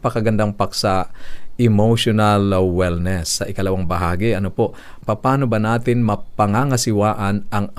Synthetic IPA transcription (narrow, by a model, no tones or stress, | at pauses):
pɐkɐɡɐnd̪aŋpaksɐɪmoʃonalwɛlnɛsːɐʔɪkɐlɐwaŋbɐɦaːɡɪʔɐnopoʔ | pɐpaːnobɐnaːt̪ɪnmɐpɐŋaŋɐsɪwaːʔɐnɐŋ